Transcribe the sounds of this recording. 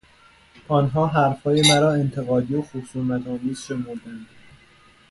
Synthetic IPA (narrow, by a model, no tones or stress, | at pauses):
ʔɒːnɦɒːɦæɾfhɒːje̞mæɾɒːe̞nt̪ʰe̞ɣɒːd̪ijoxosuːmæt̪ʰɒːmiːz̥ʃe̞moɾd̪ænd̪̥